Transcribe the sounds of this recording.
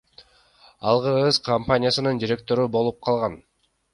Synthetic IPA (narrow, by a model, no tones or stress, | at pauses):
ɑlˠʁɯɾʁɯzkʰɐmpanʲɪjasɯnɯnd̪ʲiɾʲe̞k̚t̪o̞ɾubo̞lˠup̚qʰɑlˠʁɑn